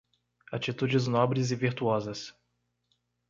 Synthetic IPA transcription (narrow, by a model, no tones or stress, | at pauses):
at͡ʃit̪ud͡ʒɪznɔbɾɪzɪviɾt̪uɔzɐs